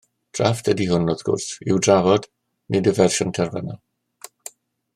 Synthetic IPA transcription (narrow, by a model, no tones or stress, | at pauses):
d̥rafd̥ɛdihʊnɔðɡ̥ʊ̰rθɪ̰wdravɔd̥ | nʔɨdəvɛrʃɔntʰɛrvɛna